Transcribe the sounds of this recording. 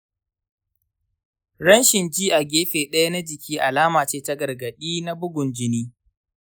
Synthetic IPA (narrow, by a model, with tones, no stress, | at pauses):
ɽɐ˦nʃɪ˨nd͡ʒiː˦ʔa˨ɡʲeː˦ɸeː˨ɗɐ˦ja˦na˦d͡ʒɪ˨kʲʰiː˦ʔa˨laː˦maː˨t͡ʃeː˦ta˦ɡɐ˨rɡɐ˨ɗiː˦na˦bʊ˦ɡʷʊ˨nd͡ʒɪ˦niː˦